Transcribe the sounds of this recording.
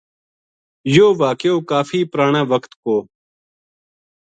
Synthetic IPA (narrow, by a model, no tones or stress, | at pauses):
joːʋaːkjoːkaːfiːpɾaːɳãːʋəkt̪koː